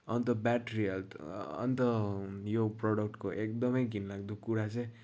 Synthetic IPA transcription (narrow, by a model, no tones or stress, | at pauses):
ʌnt̪ʌbɛʈɾiʌltʌ̰nt̪ʌjoprɔɽʌk̚ʈkoʔek̚d̪ʌmʌjɡinlakd̪ukːuɾat͡sẽ